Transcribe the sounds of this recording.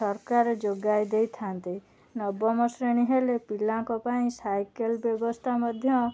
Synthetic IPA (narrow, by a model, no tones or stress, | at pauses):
ɔɾkaɾed͡ʒoɡajd̪ejt̪ʰant̪i | nɔbɔmɔsɾeɽ̃iɦelepilaŋkɔpaĩsajkelbjɔbɔst̪ʰamɔd̪ʱjɔ